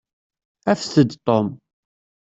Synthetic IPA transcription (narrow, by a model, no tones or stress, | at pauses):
æfθəd̪t̪ˤom